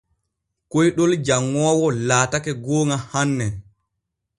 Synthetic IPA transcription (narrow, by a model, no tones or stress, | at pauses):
kojɗɔld͡ʒaŋːɔːwɔlaːtakɛɡoːŋahanːɛ